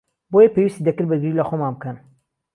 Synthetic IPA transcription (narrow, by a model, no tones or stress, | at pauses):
bojɐpewist̪id̪ɐkɨɾbɨɾɡɨɾilɐxomanbɨkʰɐn